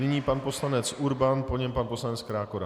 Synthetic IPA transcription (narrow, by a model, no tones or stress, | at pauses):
nɪɲiːpanpo̞slanɛt͡sʔuɾbanpo̞ɲɛmpanpo̞slanɛt͡skɾaːkoɾa